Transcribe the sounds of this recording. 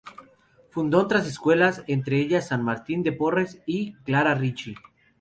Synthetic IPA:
fund̪o̞ot̪ɾas̬e̞skwe̞lase̞nt̪ɾe̞eʝasːanmaɾt̪ind̪e̞po̞re̞siklaɾarit͡ʃi

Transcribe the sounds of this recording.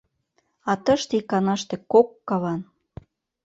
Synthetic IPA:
ɑt̪əʃt̪ikɑnɑʃt̪ĕkokːɑβɑn

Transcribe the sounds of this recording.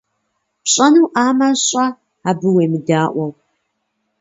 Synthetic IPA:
pɕʼɐnuːʔaːmɐɕʼɐ | aːbɨweːmɨdaːʔʷɐw

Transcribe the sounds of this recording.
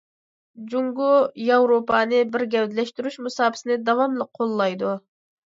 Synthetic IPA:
d͡ʒuŋɡujɑwɾopʰɑnɨbɪɾɡʲɛwd̪ɪlɛʃt̪yɾyʃmusɑːbʰɪ̥sɪnɪd̪ɑwɑmlˠəqʰːolˠːɑjd̪u

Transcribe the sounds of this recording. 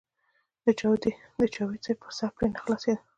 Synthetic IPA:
d̪̥ət͡ʃawd̪i | d̪ət͡ʃawit͡sepəsapɾinaxlɑsed̪a

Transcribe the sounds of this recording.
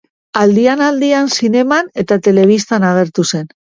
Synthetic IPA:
ald̪ianald̪iansine̞mane̞t̪at̪e̞le̞β̞ist̪anaɣ̞e̞ɾt̪use̞n

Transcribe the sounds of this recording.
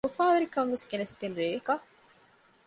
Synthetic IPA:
ofaːʋeɾikɐŋʋeskenɐst̪enɾeːkɐ

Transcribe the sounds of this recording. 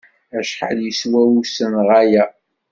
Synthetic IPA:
æʃħə̰ljəswæusənʁæjæ

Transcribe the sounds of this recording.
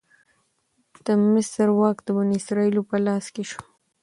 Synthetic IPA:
d̪̥əmɪsəɾwɑːkd̪əbʊniɪsɾɑilopəlɑːskeʃu̥

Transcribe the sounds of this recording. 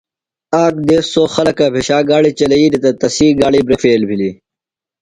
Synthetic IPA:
aːkd̪eːssoːxɐlɐkabʱeɕaːɡaːɽit͡ɕɐlɐiːd̪it̪ɐt̪ɐsiːɡaːɽibɾefeːlbʱili

